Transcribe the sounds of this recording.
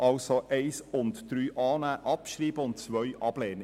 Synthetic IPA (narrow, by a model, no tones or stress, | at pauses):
ʔɑlsoʔɛɪsʊntd̥ɾyːʔɑːnæʔɑpʃɾiːb̥əʊnt̚t͡sʋœʏʔɑb̥lɛːnə